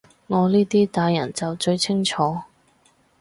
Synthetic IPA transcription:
ŋɔː˨˧liː˥t̪iː˥t̪aː˨˧jɐ̰˨˩nt͡sɐ˨wt͡ʃɵ˧ɥt͡sʰɪ˥ŋt͡ʃʰɔː˨˧

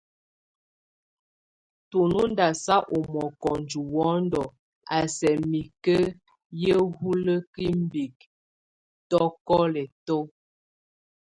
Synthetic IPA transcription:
to˨nu˦n˦da˨sa˦ʔo˨mɔ˨kɔ˨nd͡ʒu˨wɔ˨˦ndɔ˨ | a˨sɛ˨mi˨kə˦ | jə˦hu˦lə˦ki˦m˦bi˨k̚ | tɔ˦kɔ˦lɛ˨tɔ˦

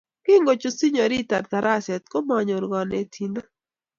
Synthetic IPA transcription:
kɪ˦ŋɡo˨t͡ʃo˨si˦ɲɔ˨ɾi˦ta˨ɾt̪a˨ɾa˦sɛ˨t̪̚ko˦ma˨ɲo˨ɾɡɔ˨ne˨tʰi˨na˦

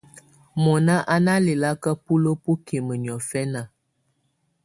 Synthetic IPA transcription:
mɔ˨na˦ʔa˦na˦le˨la˦kə˦pu˦lo˦po˦kʰe˨mə˨ɲ˨ɔ˨fɛ˦na˨

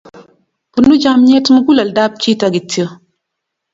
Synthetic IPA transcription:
ku˨nːu˦d͡ʒa˦mɲɛ˦tmə˦ɡu˦la˨lda˦b̚t͡ʃi˦ta˨ɡi˨tːi˦o˦

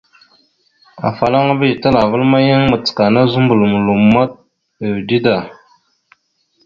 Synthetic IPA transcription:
a̰˨fa˨la˦ŋ˦bə˦˨tə˦la˨və˦lma˦jə˦ŋmə˨t͡sə̥˨ka˨na˦zu˦mbə˨lmə˨lu˨ma˦t̚ | ə˨di˦da˨

